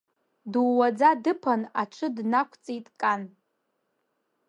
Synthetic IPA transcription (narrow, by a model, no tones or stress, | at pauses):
duwad͡zadɨpʰanaʈ͡ʂʷʰɨdnakʷʰt͡sʼitʼkʼan